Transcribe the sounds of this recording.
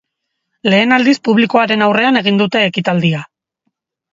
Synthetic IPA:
le̞ːnald̪ispuβliko̞aɾe̞nawre̞ane̞ɣ̞ind̪ut̪e̞ːkit̪ald̪ia

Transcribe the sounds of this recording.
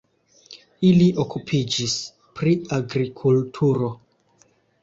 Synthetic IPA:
iliʔokupʰid͡ʒis | pɾiaɡɾikʰultʰuɾo̞

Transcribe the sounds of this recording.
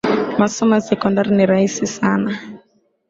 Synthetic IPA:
masɔmasɛkɔndaɾinɛɾaisisaːna

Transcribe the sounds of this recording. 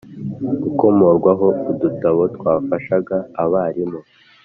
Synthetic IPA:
ɡuko̞mo̞ɾɡwaɦo̞udutaβo̞tkwaːfaʃaɡaːβaːɾimo

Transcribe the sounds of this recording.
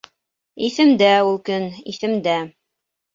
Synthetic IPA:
iθɘ̆md̪æulˠkɵnḭθɘ̆md̪æ

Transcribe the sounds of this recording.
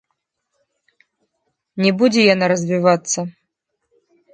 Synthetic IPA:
nʲɛbud͡zʲɛjanaɾɐzʲvʲivat̪sːɐ

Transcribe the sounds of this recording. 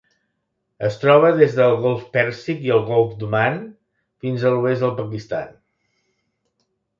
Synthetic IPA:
əst̪ɾɔβ̞əðezðəːlˠɣɔlˠfpɛɾsikiəlˠɣɔlˠfd̪uman | finzəluezðəlˠpəkist̪a̰n

